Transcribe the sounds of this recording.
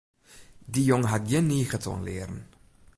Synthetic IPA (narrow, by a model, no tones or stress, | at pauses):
dijɔŋɦatjəniːχətʰɔ̰nlḛːɾən